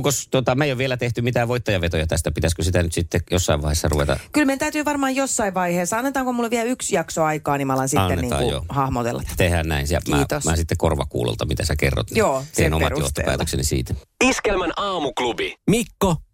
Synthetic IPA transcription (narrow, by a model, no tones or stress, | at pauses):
kost̪ot̪ɑmeijoʋʋielæt̪eht̪ymit̪æːʋoit̪ːɑjɑʋet̪ojɑt̪æst̪æpit̪æskøsit̪ænyt̪sit̪ːejosːɑiʋɑihesːɑruʋet̪ɑ̰kylment̪æyt̪yːʋɑrmɑːjjosːɑiʋʋɑiheːsːɑɑnːet̪ɑːŋkomulːʋiæyksjɑksoɑikɑːnimɑlɑnsiɑnːenːetniːŋɑ̰ːkuj̰jo̰hɑhmot̪ḛlːɑ̰t̪t̪ehæːnnæ̰insɑ̰mæːt̪osmæ̰ːsit̪ːekorʋɑ̰kṵːlo̰lt̪ɑmit̪æsækerːo̰t̪nijoːsenomɑ̰jo̰ht̪ːopæ̰ːt̪ø̰ksḛnisḭːt̪æiskelmænɑːmuklubimikːo